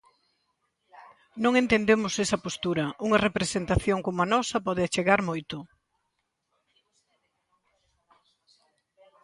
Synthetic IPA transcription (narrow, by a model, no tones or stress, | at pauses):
nõŋent̪end̪emʊsesɐpost̪uɾɐʔuŋɐrepɾesent̪aθjoŋkomʊanɔsɐpɔðɪat͡ʃeɣaɾmojt̪ʊ